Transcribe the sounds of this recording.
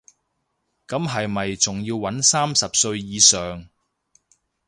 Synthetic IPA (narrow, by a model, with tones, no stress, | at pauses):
kɐ˨˥mɦɐ˨jmɐ˨jt͡sʊ˨ŋjiː˧wːɐ˨˥nsaː˥msɐ˨p̚sɵ˧ɥjiː˨˧sœː˨ŋ